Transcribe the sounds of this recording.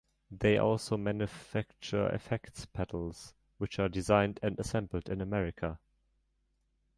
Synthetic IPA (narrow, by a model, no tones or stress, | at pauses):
ðeɪʔɔ̰lˠsoʊmæ̃njɨfæk̚t͡ʃəɪ̰fɛktspʰæɾl̩ˠz̥ | wɨt͡ʃaːdɨzãɪ̃ndɨ̃ndəsɛ̃mbl̩ˠdɪ̃nəmɛɹɪkʰə